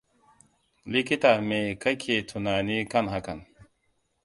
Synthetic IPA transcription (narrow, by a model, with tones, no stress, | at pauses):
li˦ki˦ta˨me˨ka˦kʰe˨tʰu˨na˨ni˦ka˦nɦa˨ka˨n